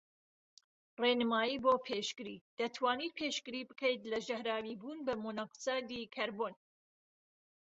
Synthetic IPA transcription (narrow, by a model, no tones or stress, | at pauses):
renɨmaːjiːboːpʰeːʃkɨɾḭːd̪̥ɐt̪ʰwaːniːt̪̚pʰeʃkɨɾiːbɨkʰɛjt̪lɐʒɐhɾaːwibuːnbɐmonaksaːd̪ikʰɐɾboːn